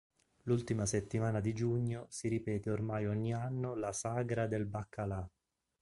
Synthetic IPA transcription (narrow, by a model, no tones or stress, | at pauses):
lult̪imaset̪ːimaːnad̪id͡ʒuɲːosiɾipɛːt̪eormajɔɲːianːolasaɡɾad̪elbakʰːala